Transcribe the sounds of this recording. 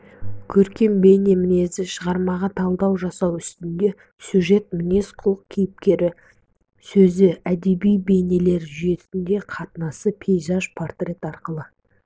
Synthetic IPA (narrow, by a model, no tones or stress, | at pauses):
kʲʰɵɾkʲe̞mbe̞jne̞mɪne̞zɪʃəʁɑɾmɑʁɑt̪ʰɑlˠd̪ɑwʒɑsɑwʏst̪ɪnd̪e̞ | sʲjuʒe̞t̪̚mɪne̞sqʰʊlˠəq̚kʲʰijɪp̚kʲe̞ɾɪ | sɵzɪæd̪e̞bijbe̞jne̞le̞ɾʒʏje̞sɪnd̪e̞qʰɑt̪ənɑsəpʰejʒɑʒpʰort̪rʲe̞t̪ɑɾqəlˠə